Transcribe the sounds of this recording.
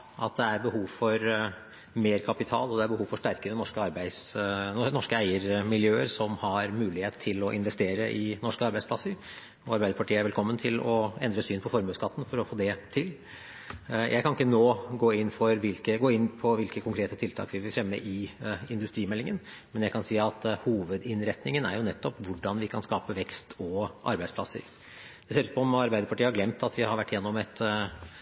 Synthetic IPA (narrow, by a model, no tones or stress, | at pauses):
ʔɑt̪̚d̪ɛæɾbəɦuːʋfɔɾ | meːɾkʰɑpɪt̪ʰɑ̰ːlɔd̪ɛæɾbəhuːʋfɔʂʈæɾkəɾənɔʂkəɑɾbæɪsnɔʂkəæɪəɾmɪljøːəɾsɔmhɑɾmʉːlɪheːt̪t̪ʰːɪlɔʔɪnʋɛst̪eːɾəʔɪnɔʂkəɑɾbæɪsplɑsːəɾ | ɔɑɾbæɪəɾpʰɑʈʰiːəæɾʋɛlkʰɔmːənt̪ʰɪlɔɛnd̪ɾəsyːnpʰɔfɔɾmøːskɑt̪ːn̩fɔɾɔfoːd̪ɛt̪ʰɪl | jʔæɪkʰɑnɪkːənoːɡoːɪnːfɔɾʋɪlkəɡoːɪnːpʰɔʋɪlkəkʰʊŋkʰɾeːt̪ət̪ʰɪlt̪ʰɑ̰ːkʋɪʋɪfɾɛmːə̰ʔɪɪnd̪ʉst̪ɾiːmɛlːɪŋən | mɛnjæɪkʰɑnsiːɑt̪huːʋəd̪ɪnɾɛt̪nɪŋənæ̰ɾjʊnɛt̪ːɔpʋʊɖːɑnʋɪkʰɑnskɑːpəʋɛkst̪ʰɔʔɑ̰ɾbæɪspʰlɑ̰sːə̰ɾ | d̥̪ɛseːɾʉːt̪pʰɔɔmɑɾbæɪd̪əɾpʰɑʈiːəhɑɾɡlɛmt̪ɑt̪ʋɪhɑɾʋæʈːɪjɛnːɔmɛt̪